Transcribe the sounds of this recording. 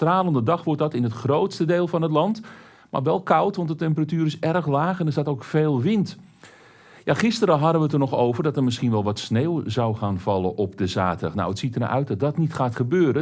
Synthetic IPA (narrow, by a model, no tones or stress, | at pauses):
traːlˠəndədɑxʋɔrt̚dɑtɪnətχrowtstədeːlˠfɑnətlɑnt | ma̰rʋɛlˠkawtʋɑntdətɛmpəratyːɾɪsɛrxlaːxɛndəɪsdatowkfeːlˠʋɪnt | jaχɪstəɾəɦɑdəʋətənɔχowvərdɔtərmɪsχinʋɛlˠʋɔtsneːwzawχaːnvɑlˠəʔɔpdəzaːtəxna̰wətsitərna̰ʔœ̰ɥt̚dɔt̚dɔtnitχaːtχəbøːɾə